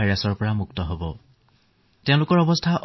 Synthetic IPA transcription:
ajɹasɔɹpɔɹamuktɔɦobɔ | tɛ̃ʊ̃lʊkɔɹɔbɔstʰaʔ

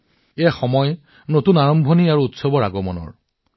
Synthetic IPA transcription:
exɔmɔj | notunaɹɔmbʱoniaɹuutsobɔɹa̰ɡɔmɔnɔ̰ɹ

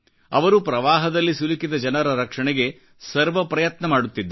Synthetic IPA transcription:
ɐ̰ʋɐɾupɾɐʋaːɦɐd̪ɐlːisulikid̪ɐd͡ʒɐnɐɾɐɾɐkʂɐɳɛɡe̞ | sɐɾʋɐpɾɐjɐt̪nɐmaːɽut̪ːid̪ː

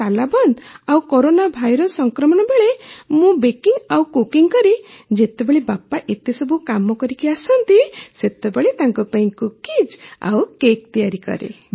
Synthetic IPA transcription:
alabɔnd̪awkoɾonabʱajɾɔsːɔŋkɾɔmɔɽ̃ɔbeɭemũbekiŋɡawkukiŋkɔɾid͡ʒet̪ebeɭebapaʔet̪esɔbʱukamɔkɔɾikiasɔnt̪iset̪ebeɭet̪aŋkupaĩkukid͡ʒa̰wkek̚t̪ijaɾikɔ̰ɾḛ

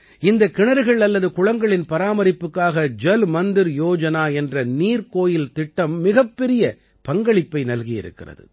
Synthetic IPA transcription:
ɪnd̪ɐkːɪɳɐɾɯɣɐɭɐlːɐðɯkʊɻɐŋɡɐɭɪnpɐɾaːmɐɾɪpːɯkːaːɣɐd͡ʒɛlmɐnd̪ɪɾjoːd͡ʒɐnaːɛndrɐniːɾkoːjɪlt̪ɪʈːɐmːɪɣɐpːɛɾɪjɐ | pɐŋɡɐɭɪpːɐɪnɐlɣɪjɪ̰ɾɯ̰kːɪ̰rɐ̰ðɯ̰

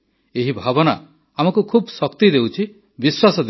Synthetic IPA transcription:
eɦibʱabɔna | amɔkukʰubsɔkt̪id̪ewt͡ʃʰi | biswasɔd̪

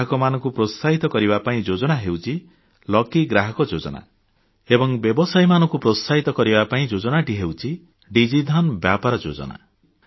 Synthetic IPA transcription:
kɔmanɔ̃ŋkupɾosaɦit̪ɔkɔɾibapaĩd͡ʒod͡ʒɔnaɦewt͡ʃʰi | lɔkiɡɾaɦɔkɔd͡ʒod͡ʒɔ̰na̰ | ebɔŋbjɔbɔsajmanɔ̃ŋkupɾɔsaɦit̪ɔkɔɾibapaĩd͡ʒod͡ʒɔnaʈiɦewt͡ʃʰi | ɖid͡ʒid̪ʱɔnbjapaɾɔd͡ʒo̰d͡ʒɔ̰na̰

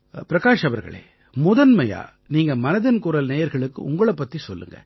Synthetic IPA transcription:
pɪɾɐkaːʂɐʋɐɾɣɐ̰ɭḛː | mʊðɐnmɐja̰ː | niːŋɡɐmɐnɐðɪnkuːɾɐlneːjɐɾɣɐɭɯkːɯ̰ʊ̰ŋɡɐɭɐpːɐt̪ːisɔlːɯ̰ŋɡɐ̰

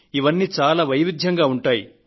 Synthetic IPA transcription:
iʋɐnːiːt͡ʃaːlaːʋɐjʋid̪ʱjɐŋɡaːuɳʈaːjḭ

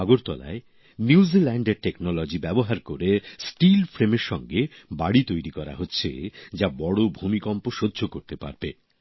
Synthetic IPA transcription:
aɡoɾt̪ɔ̰la̰e | nizilɛɳɖeɾʈeknɔlɔd͡ʑibɛboɦaɾkoɾesʈilfɾemeɾʃɔŋɡe | baɽit̪ojɾikɔɾa̰ɦotːɕʰḛd͡ʑabɔɽobʱumikɔmpoʃodːʱokoɾt̪epa̰ɾbe

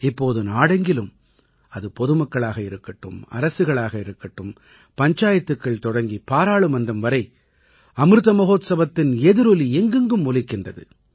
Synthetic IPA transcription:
ɪpːoːðɯnaːɽɐŋɡɪlɯm | ɐðɯpɔðɯmɐkːɐɭaːɣɐɪɾɯkːɐʈːɯ̰mɐ̰ɾɐsɯɣɐɭaːɣɐɪɾɯkːɐʈːɯm | pɐɲt͡ʃaːjɐt̪ːɯkːɐɭt̪ɔɽɐŋɡipaːɾaːɭɯmɐndɐmʋɐɾɐɪ | ɐmɾɯðɐmɐɣoːt̪sɐʋɐt̪ːɪnɛðɯɾɔliɛŋɡɯŋɡɯmːʊlɪkːɪndrɐðɯ̰

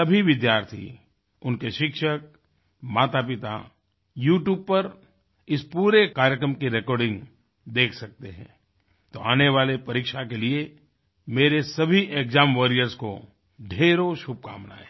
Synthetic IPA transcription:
ɐbʱiʋɪd̪jaːɾt̪ʰḭ | ʊnkeʃɪkʃək̚ | maːt̪apɪt̪a̰ | juːʈjuːb̚pɐɾ | ɪspuːɾekaːɾjəkɾəmkiɾɛkɔːɾɖɪ̃ŋɡ | d̪eːkʰsɐk̚t̪eɦɛ̰̃ː | t̪oaːneʋaːlepɐɾiːkʃakelie | meːɾesɐbʱiʔeːkzaːmʋɐɾijəɾzko̰ | ɖʱeːɾoʃʊb̚ka̰ːmna̰ːe

